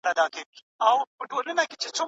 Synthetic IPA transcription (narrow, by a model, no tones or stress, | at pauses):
nad̪ɑke | awpəʈolənaket͡ʃet͡so